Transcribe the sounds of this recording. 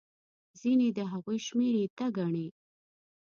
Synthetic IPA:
zined̪əɦaɣujʃmeɾet̪aɡaɳe

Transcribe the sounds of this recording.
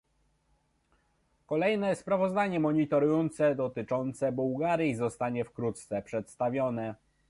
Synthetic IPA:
kɔlɛjnɛspɾavɔzd̪aɲɛmɔɲit̪ɔɾujɔnt̪sɛd̪ɔt̪ɘt͡ʂɔnt̪sɛbuwɡaɾʲjizɔst̪aɲɛfkɾut̪t̪sɛpʂɛt̪st̪avʲjɔnɛ

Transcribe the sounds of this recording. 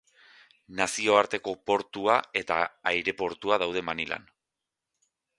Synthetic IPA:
nasio̞aɾt̪e̞ko̞po̞ɾt̪uae̞t̪a̰ːjɾe̞po̞ɾt̪uað̞awð̞e̞manilʔa̰n

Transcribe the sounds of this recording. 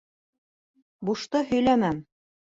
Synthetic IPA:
buʃt̪ɤhɵ̆jlænæm

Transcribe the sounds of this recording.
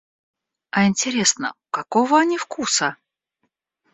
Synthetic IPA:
ɐɪnʲtʲɪɾʲe̞snə̰ʊkɐkovəɐnʲifkusə

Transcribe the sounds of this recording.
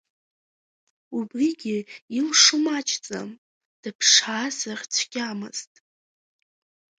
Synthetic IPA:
ubriɡʲɪimʂʊmat͡ʃʰʼt͡sʼa̰m | d̥ɨpʰʂaːzarʲt͡sʷʰɡʲʼamɨ̰z̥tʼ

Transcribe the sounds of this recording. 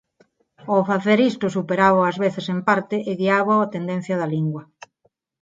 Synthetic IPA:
ofaθeɾist̪ʊsupeɾaβoɐzβeθesempaɾt̪ɪʔeɣiaβowat̪end̪en̟θjɐðaliŋɡwɐ

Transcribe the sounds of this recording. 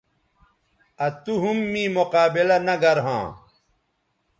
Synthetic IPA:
ɐt̪uɦumːĩːmoqaːbilɐnɐɡɐɾɦã̰ː

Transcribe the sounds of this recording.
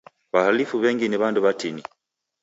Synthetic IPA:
βahalifuβɛŋɡiniβanduβatini

